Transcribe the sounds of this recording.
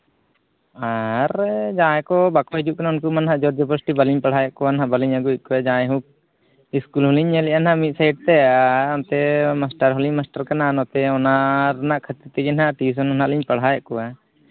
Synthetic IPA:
aɾd͡ʒãjkɔbakɔɦid͡ʒuʔ̚kanaunkumanɦaʔd͡ʒɔɾd̪ɔpɔsʈibaliɲpaɽ̤ajaʔkɔanɦaʔbaliɲaɡut̪̚ˀkɔad͡ʒãjɦũk̚ | iskulɦɔliɲɛlɛʔanɦamit̪̚sajɖ̚t̪ɛaant̪ɛmasʈaɾɦɔliɲmasʈaɾkananɔt̪ɛɔnaɾnaʔkʰət̪it̪ɛɡɛnɦaʈis̬ɔnɦɔnaʔliɲpaɽ̤ɦajaʔkɔwa

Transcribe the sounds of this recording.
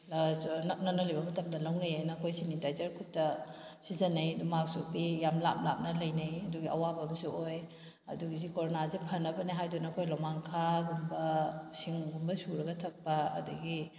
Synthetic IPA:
nɐp̚nɐnɐlibɐmɐtɐmdɐlɐwnɐjajnɐkʰojsinidajzɐɾkʰutːɐsizɐnɐjdumak̚supijamlap̚lap̚nɐlɐjnɐjɐduɡiɐwabɐmsuoj | ɐduɡizikoɾonazipʰɐnːɐbɐnijɦajdunɐːkʰojlamaŋkʰaɡumbɐsiŋɡumbɐsuɾɐɡɐtʰɐk̚pɐɐ̰duɡi

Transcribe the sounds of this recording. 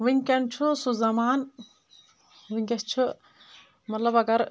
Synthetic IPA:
ʋiŋkɐnt͡ʃʰusuzɐmaːn | ʋiŋɡɐst͡ʃʰu | mɐt̪lɐbɐɡɐɾ

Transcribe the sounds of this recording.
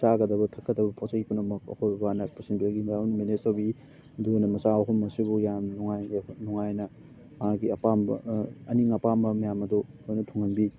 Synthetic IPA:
saɡɐdɐbɐtʰɐkːɐdɐbɐpʰosɐkipʰunɐmɐk̚ɐ̰kʰojbɐbanɐpusinpɡinaunmenesɐbi | dujnɐmɐsaoɦulmːɐsibujamnuŋajnuŋajnɐ | maɡiɐpambɐ̰ɐniŋɐpambɐmijamɐdɔojnɐtʰuŋɐnbi

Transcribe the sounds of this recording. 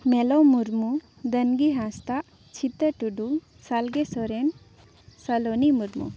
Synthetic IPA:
melomuɾmu | d̪ənɡiɦast̪aʔ | t͡ɕʰit̪əʈuɖu | salɡesɔɾen | sɐlonimuɾmṵ

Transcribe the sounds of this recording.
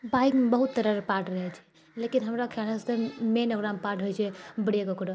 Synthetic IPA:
baikmbəɦut̪ːəɾəɾpaʈɾəɦɛt͡ʃʰɛ̥ | lekinɦəmɾakʰalasemenoɡɾampaʈɦojt͡ʃʰɛbəɽiekɔkuɾo

